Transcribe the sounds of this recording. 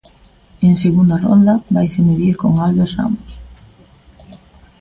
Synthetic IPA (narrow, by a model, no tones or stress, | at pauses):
eŋseɣund̪aro̰nd̪aβajsemiðiɾkoŋalβesra̰mos